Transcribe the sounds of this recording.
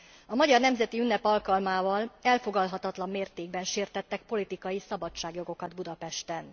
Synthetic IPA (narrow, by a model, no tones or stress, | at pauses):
ɒmɒɟɒrnɛmzɛt̪iynːɛpɒlkɒlmaːvɒlɛlfo̞ɡɒlɦɒt̪ɒt̪lɒmːeːrt̪eːɡbɛnʃeːrt̪ɛt̪ːɛk̚po̞lit̪ikɒjisɒbɒt͡ʃːaːɡjo̞ɡo̞kɒd̪bud̪ɒpɛʃt̪ɛn